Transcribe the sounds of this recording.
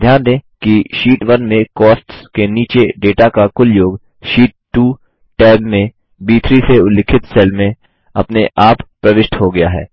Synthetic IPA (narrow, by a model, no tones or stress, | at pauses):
d̪ʱjaːnd̪ẽːkiʃiːʈʋɐnmẽkɔːsʈskeniːt͡ʃeɖeːʈakakʊljoːɡ | ʃiːʈːuː | ʈɛːbmẽ | biːt̪ʰɾiseʊlːɪkʰɪt̪sɛːlmẽ | ɐ̰pneʔaːppːɾɐʋɪʃʈɦoɡɐjaɦɛ̰ː